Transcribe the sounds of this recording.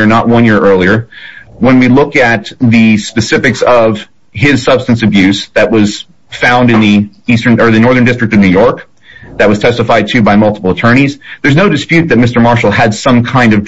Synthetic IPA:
ə˞nəʔ̚wʌ̃njɪɹʔɜ˞lˠiə˞wə̃nwilʊkɨt̪̚ðɨspɨsɪfɨksʌv̥ | ɪz̥sʌb̥stɨ̃n̩sɨbjʉzðɨʔ̚wʌz̥ | fãʊ̃ndɨ̃nðiistə̃˞nə˞ðɨnɔɹðə̃˞ndɪstɹ̥ɨk̚tʌvnʉjɔɹk | ðɨt̚wʌz̥tʰɛstəfaɪd̚tʰʉbaɪmʌlˠtə̥pl̩ˠətʰɜ̃˞ñizðə˞znoʊɾɨspjʉt̪̚ðɨt̚mɪstə˞mɑɹʃl̩ˠɨd̥sʌ̃mkʰãɪ̃ndʌv

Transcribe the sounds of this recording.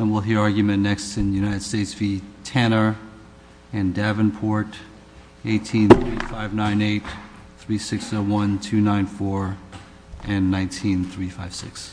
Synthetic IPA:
ə̃nwɪlˠɦiɹɑɹɡjɨmɨ̃nːɛkstɨ̃njʉnaɪɾɨd̥steɪtsv̥itʰɛnə˞ | ɨ̃ndævɨ̃npʰɔɹɾ | eɪtʰĩnθɹifaɪvnãɪ̃neɪt̪̚ | θɹisɪksoʊwʌ̃ntʰʉnãɪ̃nfɔɹ | ʔɨ̃nːãɪ̃ntʰĩnθɹifaɪv̥sɪks

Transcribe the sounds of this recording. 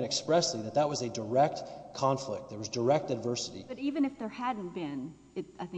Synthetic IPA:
nɨkspɹɛsliðɨt̪̚ðət̚wʌzɨdə˞ɛk̚tkʰɑ̃ɱflɪ̰k̚t̪̚ðə˞wʌzdə˞ɛk̚tɨdvɜ˞sɨɾḭb̥ʌɾivɨ̃nɨfðə˞hædⁿn̩b̥ɪ̃n | ɨaɪθɪ̃

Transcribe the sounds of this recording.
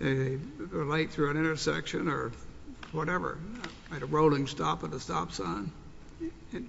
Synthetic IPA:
ðeðeɪəlaɪt̪̚θɹʉɨ̃nɪ̃ɾ̃tə˞sɛ̰kʃɨ̃nə˞wʌɾɛvə̰˞ | aɪɾəɹoʊlˠɪ̃ŋstɑpʌðəstɑ̰psə̃n̩ | ɨ̃n

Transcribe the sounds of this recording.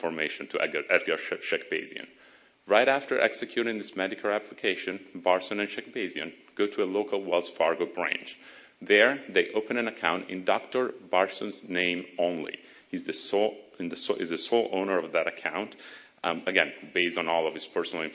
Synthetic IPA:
fə˞meɪʃɨ̃ntʰɨɛʔɛd̚ɡəʃɛk̚b̥eɪzḭɨ̰̃n | ɹaɪɾæftə˞ʔɛ̰ksɨkʰj̥ʉɾɪ̃ŋðɪsmɛɾɨkʰl̩ˠæpʰlɨkʰeɪʃɨ̃nbɑɹsɨ̃nɨ̃nʃɛk̚b̥eɪziɨ̃n | ɡ̥oʊɾəəloʊkl̩ˠwɛlˠsfɑɹɡoʊbɹæ̰̃nt͡ʃ | ðə˞ðeɪʔoʊpɨ̃ñɨ̃nəkʰãʊ̃ntɪ̰̃ndɔk̚tə˞bɑɹsə̃nznẽɪ̃mõʊ̃nlḭ | hizðɨsnðɨsɪzðɨsoʊlˠʔõʊ̃nə˞ʌvðɨɾɨkʰãʊ̃nt | əɡɛ̃nbeɪstn̩ɔlˠʌv̥ɨz̥pʰɜ˞sənl̩ˠɪ̃n

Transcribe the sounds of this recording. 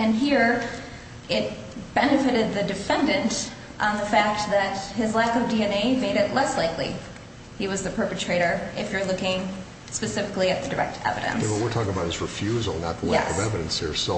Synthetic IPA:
ɨ̃nɦiɹ | ɪt̚ | b̥ɛnɨfɨɾɨd̪̚ðɨdɨfɛ̃ndɨ̃nt | ʔn̩ðəfæk̚t̪̚ðɨt̚hɪzlækʌvdiɛneɪmeɪɾɨtˡlɛslaɪklḭ | hiwʌzðɨpʰɜ˞pɨtʰɹ̥eɪɾə˞ɪfjə˞lʊkɪ̃ŋ | spɨsɪfɨkliɨt̪̚ðɨdə˞ɛ̰k̚tʰɛ̰vɨ̰ɾɨ̰̃nwʌwiɹtʰɔkɪ̃ŋəbaʊt̚ɨzɹɨfjʉzl̩ˠnə̰t̪̚ðəweɛkʌvɛvɨɾɨ̃nsə̰˞so

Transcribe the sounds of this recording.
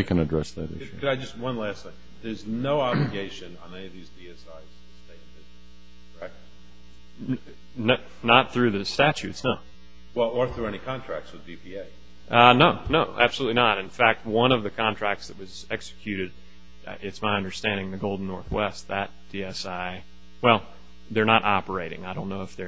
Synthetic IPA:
ikʰɨ̃nɨdɹɛsðɨ̰ɾɪ̰ʃʉkʰɨɾaɪd͡ʒʌst̚wʌ̃nlɛsɨ̃n | ðə˞znoʊɑblɨɡeɪʃɨ̃nə̃nɛniʌvðizdiɛsaɪz̥tʰɨsteɪt̚ɪ | kʰɛk̚t | n | nət̪̚θɹʉðɨstæt͡ʃʉtsnoʊ | wɛlˠwə˞θðə˞ɛñikʰɑ̃ntʰɹ̥æ̰k̚tswɨðbipʰieɪ | ʔʌnoʊnoʊʔæ̰b̥səlutˡlinəɾɨ̃nfæk̚t̚wʌ̃nʌvðɨkʰɑ̃ntʰɹ̥æk̚tsðɨt̚wʌz | ɛksɨ̥kʰj̥ʉɾɨɾ̰ | ʔɪtsmaɪʌ̃ndə˞stæ̃ndɪ̃ŋðɨɡoʊlˠdⁿn̩nɔɹθwɛst̪̚ðɨt̚d̥iɛsaɪ | wɛlˠ | ðə˞nəɾʔɑpə˞eɪɾɪ̰̃ŋaɪɾõʊ̃nːoʊəfðə˞

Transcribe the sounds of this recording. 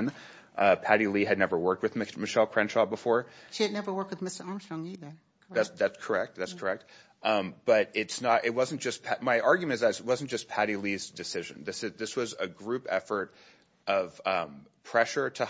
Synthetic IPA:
n | ʔʌpʰæɾiliɨdⁿnɛvə˞wɜ˞k̚t̚wɨðmmɨʃɛlˠkʰɹ̥ɛ̃nʃɑt̚b̥əfɔɹʃiɨdⁿnɛvə˞wɜ˞k̚t̚wɨðmɪstə˞ɑɹmstɹɔ̃ŋiðə | ðæsðætskʰə˞ɛk̚t̪̚ðætskʰə˞ɛk̚t̚ | b̥ʌɾɪtsnəɾʔɪt̚wʌzn̩d̥ʒ̥ʌspʰmaɪʔɑɹɡjmɨ̃ntzɨzt̚wʌzn̩d̥ʒ̥ʌspʰæɾilizdɨsɪʒɨ̰̃nðɪsɨzðɪswʌzɨɡɹʉpɛ̰fə˞ɾ | ʔʌṽ̥mpʰɹ̥ɛʃə˞ɾɨ

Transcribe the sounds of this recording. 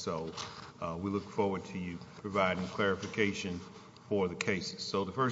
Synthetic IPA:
soʊwilʊkfɔɹwə˞d̚tʰɨjʉpʰɹ̥ɨvaɪɾɪ̃ŋkʰl̥ɛɹɨfɨkʰeɪʃɨ̃n | fə˞ðɨkʰeɪsɨz̥soʊðəfɜ˞

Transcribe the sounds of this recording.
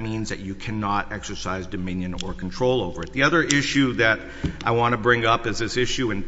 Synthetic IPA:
mĩnzðɨ̰t͡ʃɨkʰænɑɾɛksə˞saɪzdɨmɪ̃njɨ̃nə˞kʰn̩tʰɹ̥oʊlˠoʊvə˞ɨt̪̚ðiʌðə˞ʔɪʃʉðɨɾ | ʔaɪwɑ̃nɨbɹɪ̃ŋʌpɨzðɪsɪʃʉɨ̃n

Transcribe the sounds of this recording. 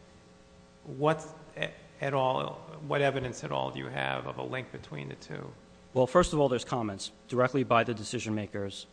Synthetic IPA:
wʌt | ɨɾɔlˠwʌɾɛvɨɾɨ̃nsɨɾɔ̰lˠdɨjɨ̰ɨ̰vʌ̰və̰lɪ̃ŋk̚b̥ɨtʰw̥ḭ̃nðɨtʰʉ̰ | wɛlˠfɜ˞stʌvɔlˠðə˞z̥kʰɑmɛ̃ntsd̥ə˞ɛk̚tˡlibaɪðɨdɨsɪʒɨ̃nmeɪkə˞z̥

